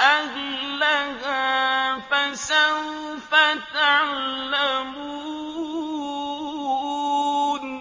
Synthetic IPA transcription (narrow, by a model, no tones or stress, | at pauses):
ʔad͡ʒlaɣafansaw | fat̪aʕllːamu | n